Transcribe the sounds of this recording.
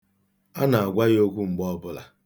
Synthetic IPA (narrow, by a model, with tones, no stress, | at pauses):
a˦na˨a˨ɡʷa˦jo˦kʷu˦ŋ͡m̩˨ɡ͡bɔ˦bʊ˦la̰˨